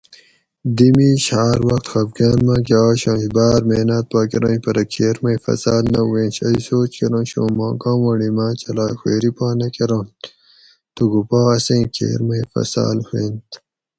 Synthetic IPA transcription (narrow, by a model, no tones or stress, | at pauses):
d̪imiɕaːɾwɐxt̪xɐbɡaːnmãːkeaːɕõːɕbaːɾmeːnat̪̚paːkiɾɐ̃ːnpɐɾɐkʰeːɾmɐjfɐ̰saːlnɐwẽːnɕɐjsoːt͡ɕkeɾõnɕõ̰ːmãːkãːmwɐɽimat͡ɕɐlaːxweːɾipaːnɐkeɾõn | t̪uɡupaːɐsẽːkʰḛːɾmɐjfɐ̰sa̰ːlheːnt̪